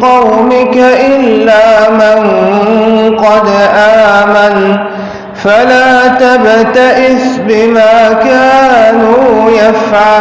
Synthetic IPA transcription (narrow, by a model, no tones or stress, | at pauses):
qɑwmɪkaʔɪlːaːman | qɑd̪ʔaːman | falaːt̪abt̪aʔɪsbɪmaːkaːnuːjafʕa